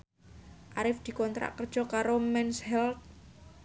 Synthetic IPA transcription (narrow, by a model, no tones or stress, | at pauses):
ʔaɾɪfd̪̥i̤kɔnt̪ɾa̰ʔkər̥ʒ̥ɔ̤kaɾomɛnshɛlt̪̚